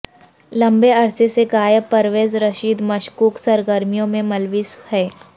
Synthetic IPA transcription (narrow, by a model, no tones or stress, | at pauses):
lɐ̃mbeɐɾseseɡaːjəpːɐɾʋeːzɾəʃiːd̪mɐʃkuːksɐɾɡəɾmijõmẽmɐlʋiːshɛː